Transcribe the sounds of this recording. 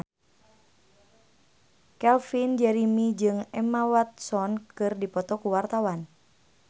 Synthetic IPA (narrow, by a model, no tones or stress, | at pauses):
kɛlfind͡ʒɛɾimid͡ʒɨŋɛmawat̪̚sɔnkɨrdipɔt̪ɔkuwart̪awan